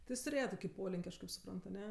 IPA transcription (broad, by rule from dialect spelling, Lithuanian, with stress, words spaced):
tʲɪ ˈjɪs tʊˈrʲeːjɛ ˈtoːkʲɪ ˈpoːlʲɪŋʲkʲ ˈɐʃ kɐɪp sʊˈprɐnt ɐˈnʲɛ